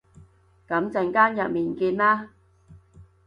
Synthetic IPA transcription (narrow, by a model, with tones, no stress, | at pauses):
kɐ˨˥mt͡sɐ˨˧nkaː˥njɐ˨t̚miː˨˩nkiː˧nlaː˥